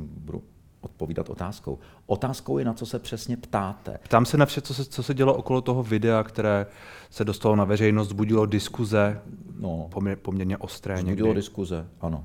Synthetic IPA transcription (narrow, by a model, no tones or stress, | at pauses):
budṵ | ʔot̪̚poviːda̰t̪o̰t̪aːsko̰w | ʔot̪aːskowjɛnat͡sosɛpr̝̥ɛsɲɛpt̪aːt̪ɛ̰pt̪aːmsɛnafʃɛt͡sosɛt͡sosɛɟɛloʔoko̞lot̪oɦovɪdɛakt̪ɛɾɛː | sɛdost̪alo̞navɛr̝ɛjnos̬t̪zbuɟɪlodɪskuzɛnopopomɲɛɾɲɛʔo̞st̪ɾɛːɲɛɡɪlodɪskuzɛʔano